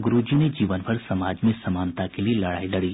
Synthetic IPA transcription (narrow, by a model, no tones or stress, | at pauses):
ɡʊɾuːd͡ʒined͡ʒiːʋənpʰɐɾsɐmaːd͡ʒmẽsɐmaːnt̪akelielɐɽaːilɐɽiː